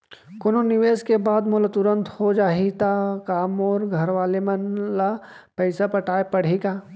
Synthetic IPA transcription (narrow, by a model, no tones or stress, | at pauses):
kononɪʋeːskebaːd̪moːlat̪ʊɾə̃nt̪hod͡ʒaːɦit̪akaːmɔːɾɡʱɐɾʋaːlemɐnla | pɛɪsapɐʈaːepɐɽ̤ikaː